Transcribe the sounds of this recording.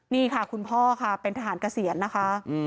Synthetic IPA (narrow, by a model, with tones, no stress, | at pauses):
niː˥˩kʰa˥˩kʰu˧npʰɔː˥˩kʰa˥˩pe˧nt̪ʰa˧ɦaː˩˦nka˧si˨˩˦ənːa˦˥kʰa˦˥